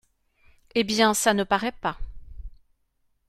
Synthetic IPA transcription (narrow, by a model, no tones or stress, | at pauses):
ebjɛ̃sanəpaʁɛpa